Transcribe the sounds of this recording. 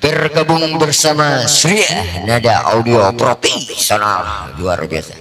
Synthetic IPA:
pərkabuŋbərsamasuɾianadaʔa̰udiopɾopisona̰llua̰rbia̰sa̰

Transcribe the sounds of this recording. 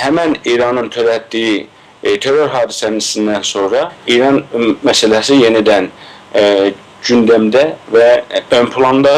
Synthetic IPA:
hæmæniːɾɑnɯnt̪ʰøɾæt̪d̪iji | t̪ʰeɾoɾɦɑːd̪isænisind̪ænso̞nɾɑiːɾɑnmæsælæsije̞nid̪æn | d͡ʒynd̪æmd̪ævæømpʰulˠɑnd̪ɑ

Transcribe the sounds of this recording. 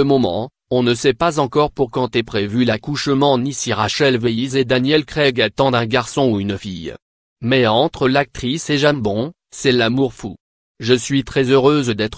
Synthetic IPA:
əmɔmɑ̰̃ | ɔ̃nəsɛpazɑ̃kɔʁpuʁkɑ̃t̪ɛpχevylakuʃmɑ̃nisiʁaʃɛlvejized̪anjɛlkχɛɡat̪ɑ̃d̪ɛ̃ɡaʁsɔ̃uynfḭj | mɛɑ̃t̪χəlak̚t̪χiseʒambɔ̃ | sɛlamuʁfu | ʒəsɥit̪χɛzøʁøzd̪ɛt̪χ

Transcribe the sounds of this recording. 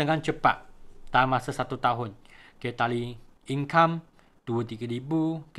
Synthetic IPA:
əŋant͡ʃəpa̰t̪̚t̪amasasat̪ut̪aɦʊnket̪aliiŋkam | d̥uət̪iɡaɾibuk

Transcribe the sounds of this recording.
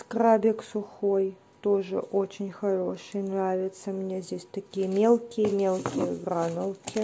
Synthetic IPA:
skrabʲeksʊxoj | t̪oʐɨ̰ʔot͡ɕʰɪnʲxɐɾo̞ʂɨjnravʲɪt̪səmnʲezʲdʲesʲt̪ɐkʲijmʲelˠkʲijmʲelˠkʲɪjəɡranəlˠkʲɪ

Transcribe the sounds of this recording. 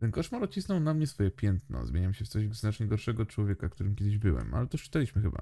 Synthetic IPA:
t̪ɛnkɔʂmaɾɔt͡ɕisnɔwnamɲɛsfɔjɛpʲjɛnt̪nɔ̰zmʲeɲamʲiɕɛft̪sɔʑznat͡ʂɲɛɡɔɾʂɛɡɔt͡ʂwɔvʲjɛkak̚t̪uɾɘmkʲɛd̪ɘʑbɘwɛ̰ma̰lɛt̪ɔʂt͡ʂɘ̥t̪alʲiɕmɘxɘba̰

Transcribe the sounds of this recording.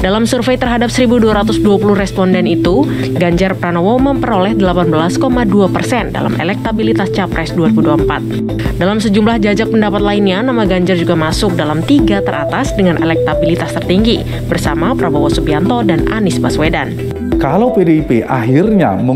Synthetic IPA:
dalamsurfejt̪ərɦadap̚səɾibuduaɾat̪usduapuluhrɛspɔndɛnit̪u | ɡaɲd͡ʒarpɾanowoməmpəɾolɛhdəlapanbəlaskomaduapərsɛnda̰la̰mʔɛ̰lɛk̚t̪abilit̪ast͡ʃapɾɛsduaɾibuduaəmpa̰t̪̚ | dalamsəd͡ʒumlahd͡ʒad͡ʒapəndapat̪̚lainɲanamaɡaɲd͡ʒard͡ʒuɡamasʊk̚dalamt̪iɡat̪əɾʔat̪asdəŋanʔɛ̰lɛk̚t̪abilit̪ast̪ərt̪iŋɡi | bərsamapɾabawasubiant̪ɔdana̰nɪsbaswedan | kalawpedeipeʔa̰ɦirɲa̰mə

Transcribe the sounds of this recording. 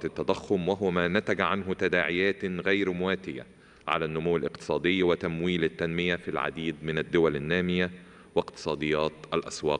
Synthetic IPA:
t̪ɪt̪ːæd̪ˤɑxːʊmwɪɦʊmæːnæt̪æɡʕanɦʊt̪æd̪aːʕɪjæːt̪ɣæjɾmʊwæːt̪ɪjæ̰ | ʕa̰lænːʊmʊwːɪlʔɪqt̪ɨ̥sˤɑːd̪ɪjːwɪt̪æmwiːlɪt̪ːænmɪjæfilʕa̰d̪iːd̪mɪnæd̪ːʊwælɪnːæːmɪjæ | wɪqt̪ɨ̥sˤɑːd̪ejːɑːt̪ʔælʔæswɑːq

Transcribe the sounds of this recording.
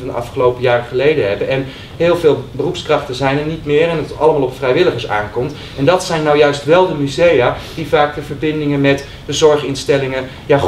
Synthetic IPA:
ɑndəʔɑ̰fχəlowpəjaːrəχəlejdəɦɛbənʔɛn | ɦɪːlˠvɪːlˠbərupskrɑχtənzɛjnəɹnitmɪːɹɛnətɑlˠəmaːlˠɔpfrɛjʋɪləχəɹsa̰ːŋkɔmt | ɛndɑtsɛjnːawjœɥstʋɛlˠdəmyzejad̥ivaːk̚dəvəɹbɪndɪŋənmɛt | dəzɔɹχɪnstɛlɪŋə | jaː

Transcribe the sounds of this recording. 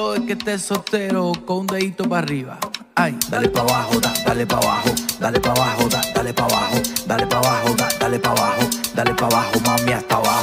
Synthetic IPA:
oeket̪esot̪eɾokõũnd̪eit̪opariβa̰ | ajd̪alepaβahoðad̪alepaβahod̪alepaβahod̪ad̪alepaβahod̪alepaβaɦoðad̪alepaβahod̪alepaβahomamiaspaβa

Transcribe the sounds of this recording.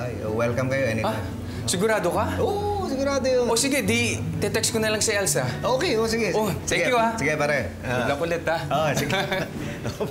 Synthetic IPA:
ajowɛlkɐmkɐjoʔɛnɪa | sɪɡʊɾaːd̪okaʔosɪɡʊɾaːd̪ojoosɪɡɛd̪it̪ɛt̪ɛkskonɐlɐŋsɐʔɛlsɐʔoːkejosɪɡɛosɛŋjuasɪɡɛpaːɾɐ | lɐkʊlɛt̪aosɪɡ | o

